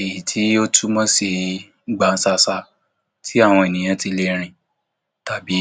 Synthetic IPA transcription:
e˨ji˨tʰi˨˦o˦tʰu˦mɔ̃˦si˧˦ | ɡ͡ba˧n̩˦sa˧sa˧ | tʰi˦a˦˨w̃ɔ̃˧e˨nĩ˨j̃ã˨˧˦ti˧le˧ɾ̃ĩ˨ | ta˨bi˨˦

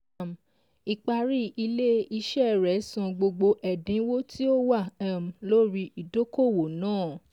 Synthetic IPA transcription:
m̩˨ | i˨k͡pa˧ɾi˦i˧le˦i˧ʃɛ˦˨ɾɛ˨˦sã˧ɡ͡bo˧ɡ͡bo˧ʔɛ˨dĩ˨˦wo˦tʰi˦o˦wa˦˨ã˨m̩˨lo˦ɾi˧i˨do˦ko˦˨wo˨nãː˦˨

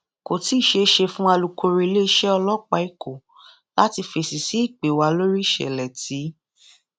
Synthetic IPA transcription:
ko˨ti˨˦˨ʃe˧˦ʃe˧fũ˦a˧lu˨ko˧ɾi˧le˦ʃɛ˦ɔ˧lɔ˦k͡pa˧i˦˨ko˨ | la˦ti˧fe˧si˨si˨˦i˦˨k͡pe˨wa˧lo˦ɾi˦ʃɛ̰˨lɛ˨ti˨˦

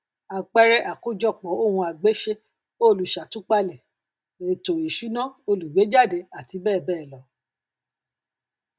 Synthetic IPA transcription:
a˨k͡pɛ˦ɾɛ˦ʔa˨ko˦d͡ʒɔ˦˨k͡pɔ˨˦o˦˨hũ˧a˨ɡ͡be˨˦ʃe˧ | o˦˨lu˨ʃa˨tũ˦k͡pa˧lɛ˨ | e˨to˨i˨ʃu˨˦nã˦˨o˧lu˨we˨˦d͡ʒa˦˨de˨˧˦a˨ti˧bɛː˦˨bɛː˦˨lɔ˨˦

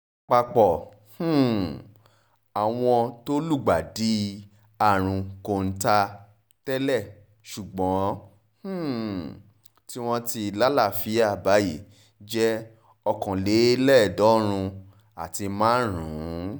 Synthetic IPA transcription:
k͡pa˧k͡pɔ˨ | h̩˦˨ | a˨w̃ɔ̃˧to˦lu˦˨ɡ͡ba˨di˨˦ | a˦˨ɾ̃ũ˧ko˧˨n̩˦ta˧ | tɛ˦lɛ˦˨ | ʃu˨ɡ͡bɔ̃˨˦ | h̩˦˨ | ti˦w̃ɔ̃˦ti˧la˦la˦˨fi˨˦a˦˨ba˨˦je˨ | d͡ʒɛ˦ | ɔ˧kɔ̃˨le˨˦lɛ˦˨dɔ˨˦ɾ̃ũ˧ | a˨ti˧mãː˦ɾũ˨˦

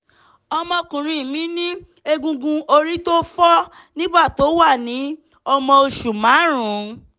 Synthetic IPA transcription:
ɔ˧mɔ̃˧kũ˨ɾ̃ĩ˧˨mĩ˨˦nĩ˦ | e˧ɡũ˧ɡũ˧o˧ɾi˦to˦fɔ˦ | nĩ˦ba˦˨to˨˦wa˦˨nĩ˨˦ | ɔ˧mɔ̃˧o˧ʃu˨mã˨˦ɾ̃ũ˨˦

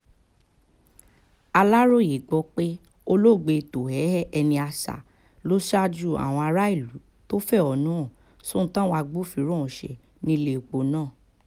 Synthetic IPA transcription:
a˧la˦ɾo˦˨je˨ɡ͡bɔ˧k͡pe˦ | o˧lo˦˨ɡ͡be˧˨to˨hɛ˨˦hɛ˦ɛ˧nĩ˧a˧sa̰˨ | lo˦ʃa˦d͡ʒu˦˨a̰˨w̃ɔ̃˧a˧ɾa˦i˦˨lu˨˦ | to˦fɛ˦˨ɔ˨nũ˦ɔ̃˦˨ | sõ˦tã˦wa˧ɡ͡bu˦fi˧˦ɾõ˦˨ʃɛ̰˨ | nĩ˧le˦˨o˨k͡po˨˦nãː˦˨

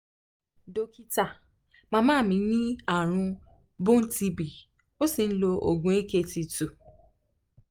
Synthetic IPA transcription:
do˧ki˧ta˦˨ | mã˦˧˦mãː˦˨mĩ˨˦nĩ˦a˦˨ɾ̃ũ˧ | bũ˦n̩˦ti˧bi˨ | o˦si˧n̩˦lo˧ʔo̰˨ɡũ˨˦e˦ke˦ti˧tu˨

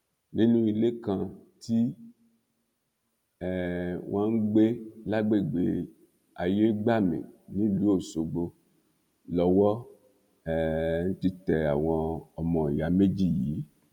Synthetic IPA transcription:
nĩ˦nũ˦i˧le˦kã˧ti˦ | ɛ˦˨wʔã˦ŋ̩˦ɡ͡be˦la˦ɡ͡be˦˨ɡ͡be˨˦ | a˨je˦ɡ͡ba˦˨mḛ̃˨nĩ˨˦lu˨˦o˦˨so˧ɡ͡bo˧ | lɔ˧˦wɔ˦ | ɛ˨n̩˦ti˧tɛ˨a˨w̃ɔ̃˧ɔ˨mɔ̃˨ja˨˦me˦d͡ʒi˦˨jiː˨˦

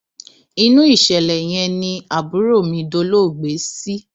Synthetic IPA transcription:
i˧nũ˦i˦˨ʃɛ˨lɛ˨j̃ɛ̃˧nĩ˧a˨bu˨˦ɾo˦˨mĩ˧do˧lo˦˨ɡ͡be˨˦si˦

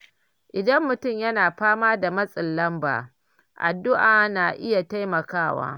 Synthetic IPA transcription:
ʔɪ˨dɐ˦mːʊ˨tʊ˦˨mjɐ˦naː˨ɸaː˦maː˦da˨mɐ˦sʼɪ˨lːɐ˦mba̰ː˨ | ʔa̰˨dːʊ˦ʔaː˨naː˨ʔɪ˦ja˨ta˦jmɐ˨kaː˦˨wa̰ː˦

